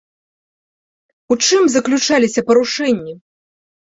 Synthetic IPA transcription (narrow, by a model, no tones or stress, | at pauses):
ut͡ʂɨmzɐklʲut͡ʂalʲisʲɐpɐɾuʂɛnʲːi